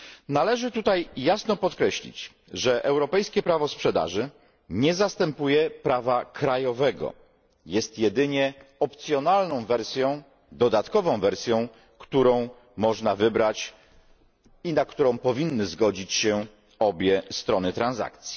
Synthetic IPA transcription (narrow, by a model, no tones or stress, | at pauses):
nalɛʐɘt̪ut̪ajːasnɔpɔt̪kɾɛɕlʲḭt͡ɕ | ʐɛʔɛwɾɔpɛjskʲɛpɾavɔspʂɛd̪a̰ʐɘ | ɲɛzast̪ɛmpujɛpɾavakɾajɔvɛɡɔ̰ | jɛst̪jɛd̪ɘɲɛɔpt̪sʲjɔnalnɔ̃w̃vɛɾsʲjɔ̃w̃ | d̪ɔd̪at̪kɔvɔ̃w̃vɛɾsʲjɔ̃w̃ | kt̪uɾɔ̃w̃ | mɔʐnavɘbɾat͡ɕ | inakt̪uɾɔ̃w̃pɔvʲinːɘzɡɔd͡ʑit͡ɕɕɛ | ɔbʲjɛst̪ɾɔnɘt̪ɾanza̰k̚t̪sʲji̥